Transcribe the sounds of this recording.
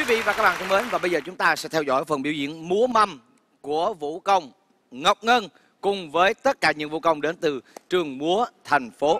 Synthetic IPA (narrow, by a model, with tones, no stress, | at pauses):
ki˨˦vḭ˧˨vaː˨˩kaː˦˥k̚ɓaː˧˨t̪ʰŋ͡mmə˨˦nvaː˨˩ɓə˧jzəː˨˩t͡ɕʊ˨˦ŋ͡mt̪aː˧sɛ̰˧˥t̪ʰɛ˧wzɔ̰˧˩jfə˨˩nɓi˧əwzḭ˧˨ənmu˨˦əma˧m | ku˧˩əvṵ˧˥kə˧wŋ͡m | ŋə˨˩wk͡p̚ŋə˧n | kʊ˨˩ŋ͡mvəː˨˦jt̪ə˦˥t̚kaː˧˩ɲɨ̰˧˥ŋvṵ˧˥kə˧wŋ͡mɗe˨˦nt̪ɨ˨˩t͡ɕɨ˨˩əŋmu˨˦ət̪ʰɛ˨˩jŋ̟fo˨˦